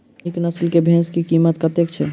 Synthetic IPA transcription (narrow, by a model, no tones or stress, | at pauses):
eknəslkebʱẽskikiːmət̪kət̪ekt͡ʃʰɛ